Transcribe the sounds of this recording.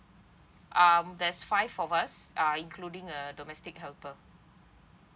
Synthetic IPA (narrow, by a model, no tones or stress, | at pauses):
ʔamdɛsfaɪvɔvasaĩŋkʰludĩŋədɔmɛstɪk̚hɛlpə